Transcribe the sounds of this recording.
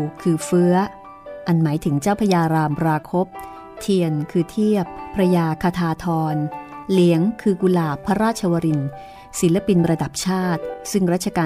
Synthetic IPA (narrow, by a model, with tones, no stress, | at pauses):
kʰɯː˧fɯ˦˥ɐ | ʔa˧nmaː˩˦jt̪ʰɯ˩˦ŋt͡ɕaː˥˩wpʰa˧jaː˧ɾaː˧mɾaː˧kʰo˦˥p̚ | t̪ʰi˧ənkʰɯː˧t̪ʰi˥˩əpʰːɾa˧jaː˧kʰaː˧t̪ʰaː˧t̪ʰɔː˧nli˩˦əŋkʰɯː˧ku˧laː˧pʰa˦˥ɾaː˥˩t̪̚t͡ɕʰa˧wa˧ɾi˧n | si˩˦la˧pi˧nɾa˧da˨˩p̚t͡ɕʰaː˥˩t̪̚sɯ˥˩ŋɾaː˥˩t̪̚t͡ɕʰa˧kaː˧